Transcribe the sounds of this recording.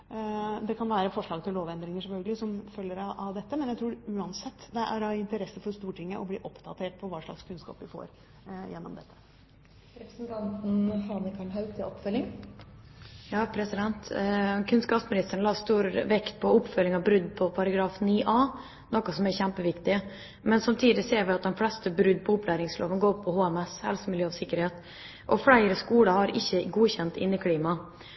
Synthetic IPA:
d̪ɛkʰɑnʋæːɾəfɔʂɭɑːɡt̪ʰɪlloːʋɛnd̪ɾɪŋəʂɛfœlɡəlɪsɔmfœljəɾɑʔɑʋd̪ɛt̪ːəmɛnjæɪt̪ɾuːʉːɑnsɛt̪ːd̪ɛʔæ̰ɾɑɪnt̪əɾɛsːəfɔɾst̪uːʈʰɪŋːəʔɔblḭːʔɔpːd̪ɑt̪ʰeːʈ̚pʰɔʋɑːʂɭɑ̰kskʰʉnskɑ̰ːpʋɪfo̰ːɾ | jɛnːɔ̰md̪ɛt̪ːə̥ | ɾɛpɾəsnt̪ʰɑnt̪n̩hɑːnəkʰɑɳɦɑʉt̪ʰɪɔpːfœlːɪŋ | jɑːpʰɾɛsɪd̪ɛnt̪kʰʉnskɑːpsmɪnɪst̪əɳlɑːst̪uːɾʋɛkt̪̚pʰɔʊpːfœlːɪŋɑbɾʉd̪ːpʰɔpʰɑɾɑɡɾɑːfniːʔɑː | nɔkːɔsɔmæɾçæmpəʋɪkt̪ɪ | mɛnsɑmt̪ʰiːd̪ɪseːɾʋɪɑt̪̚d̪ɛnflɛst̪əbɾʉd̪ːpʰɔʊpːlæːɾɪŋslo̰ːʋənɡoːɾpʰːɔhoːɛmɛshɛ̰lsmɪljøːɑʋsɪkːəɾheːt̪ | ʔɔfɽæɪɾəskuːɽɑhɑɾɪçːəɡuːçɛnt̪ɪ̰nːɪkʰliːmɑ

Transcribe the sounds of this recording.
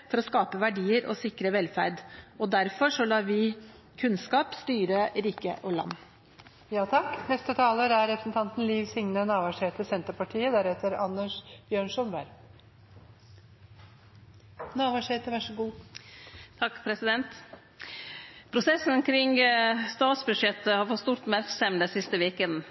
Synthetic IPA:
fɔɾɔskɑːpəʋæɖiːəɾʔɔ̰sɪkɾəʋɛlfæɾd̪ɔd̪æɾfɔʂɔlɑːʋɪ | kʰʉnskɑːpst̪yːɾəɾiːkə̰ʔɔlɑ̰mː | jɑːt̪ʰɑkːnɛst̪ət̪ʰɑːləɾæɾɾɛpɾəsn̩t̪ʰɑnt̪n̩liːʋsɪŋnənɑːʋɑʂheːt̪əsɛnt̪əɾpɑʈʰiːəd̪æːɾheːt̪əɾɑnːəʂb̥jøːɳʂɔnʋæɾ | nɑːʋɑːʂheːt̪əʋæʂɔɡuː | t̪ʰɑkːpʰɾɛsɪd̪ɛnt̪ | pʰɾʊsɛsnkʰɾɪŋst̪ɑːt̪sbʉʂjɛt̪ːəhɑɾfɔt̪st̪uːɾt̪mæɾksɛmd̪ɛsɪst̪əʋeːkənn̩

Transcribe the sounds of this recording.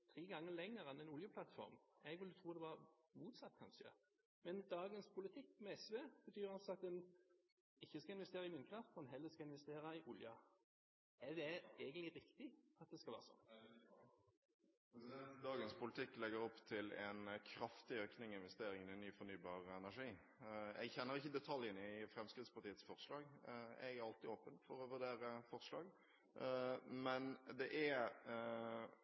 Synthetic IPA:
t̪ʰɾiːɡɑŋːəlɛŋːəɾɛnɛnʊljəpʰlɑt̪fɔ̰ɾmɛɡʋɪlːət̪ʰuːd̪ɛʋɑɾmuːt̪sɑt̪ːkʰɑ̰nʃə̰ | mɛnd̪ɑːɡənspʰʊlɪt̪ʰɪkːmɛɛsʋɛb̥ət̪ʰyːɾɑlsɔɑt̪̚d̪ɛn | ɪçːəskɑɪnʋɛst̪eːɾɑɪmɪːnkʰɾɑft̪ɛnɦɛlːəskɑɪnʋɛst̪eːɾɑɪʔʊljə | ɛd̪ɛɛɡəɪɾɪkt̪ɪɑt̪̚d̪ɛskɑlʋæ̰ːɾsɔ̰nː | pɾɛsɪd̪ɛnt̪d̪ɑːɡənspʊlɪt̪ʰɪkːlɛɡəɾɔpːt̪ʰɪlɛnkʰɾɑft̪ɪøːknɪŋɪnʋɛst̪eːɾɪŋənɪnyːfɔɾnyːbɑːʁɛnæʂiː | ɛ̰ɡçɛnːəɾɪçːəd̪ɛt̪ʰɑljənɪfɾɛmskɾɪd̪spɑʁt̪iːət̪sfɔʁslɑːɡɛ̰ɡæɾɑlt̪ɪoːpənfɔɾɔʋʉʁd̪eːɾəfɔʁslɑːɡ | mɛnd̪ɛʔæ

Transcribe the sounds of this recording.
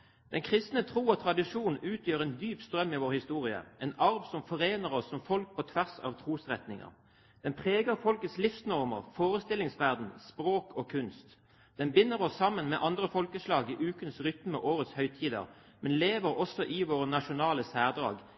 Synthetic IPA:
d̪̥ɛnkʰʁɪst̪nət̪ʰʁuːɔt̪ʰʁɑd̪ɪʂuːnʉːt̪ʰjøːʁɛnd̪yːpst̪ɾœmːɪʋoːʁhɪst̪uːʁɪə̰ɛnɑʁbsɔmfɔʁeːnəʁɔsːɔmfɔlk̚pʰɔt̪ʰʋæʁsɑ̰ːʋt̪ʰʁuːsʁɛt̪nɪŋə̰ʁ | d̪̥ɛnpʰʁeːɡəʁfɔlkət̪slɪfsnɔʁmə̰ʁfoːʁəst̪ɪlɪŋsʋæʁd̪n̩spʁoːkʰɔːkʰʉnst̪ | d̪̥ɛnbɪnːəʁɔsːɑmːənmɛʔɑnd̪ʁəfɔlkəslɑːɡɪʔʉːkənsʁʏt̪məʔoːʁət̪shœʏt̪ʰiːd̪ə̰ʁ | mɛnleːʋəʁɔsɔʔɪʋoːʁənɑʃʊnɑːləsæːʁd̪ʁɑ̰ːɡ

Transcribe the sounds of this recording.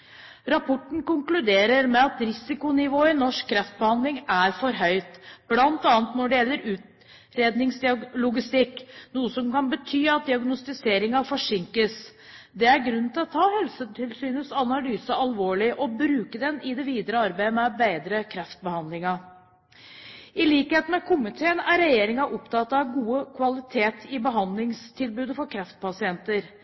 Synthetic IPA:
ɾɑpʰɔʈɳ̩kʊŋklʉd̪eːɾəɾmɛɑt̪ɾɪsɪkʊnɪʋoːɪnɔʂkkʰːɾɛft̪̚bəhɑnd̪lɪŋæɾfɔɾɦœʏt̪b̥lɑnt̪ɑːnt̪nɔɖɛjɛlːəɾʉːt̪ | ɾeːd̪nɪŋsd̪ɪɑlʊɡɪst̪ɪkːnuːəsɔmkɑnbət̪ʰyːɑt̪̚d̪ɪɑɡnʊst̪ɪseːɾɪŋɑfɔʂɪŋkəs | d̪ɛæɾɡɾʉnːn̩t̪ʰɪlɔt̪ʰɑːhɛlsət̪ʰɪlsyːnəsɑnɑlyːsəɑlʋoːɭɪʔɔbɾʉːkəd̪ɛnɪd̪ɛʋiːd̪əɾəɑɾbæɪmɛbeɪd̪ɾəkʰɾɛft̪̚bəhɑnlɪŋɑ | ɪliːkheːt̪n̩ækʰʊmɪt̪ʰeːənæɾɛjeːɾɪŋɑʔɔpt̪ʰɑt̪ːɑɑɡuːəkʰʋɑlɪt̪ʰeːt̪ɪbəɦɑnd̪lɪŋst̪ʰɪlbʉːd̪əfɔɾkʰɾɛft̪̚pʰɑsɪɛnt̪əɾ

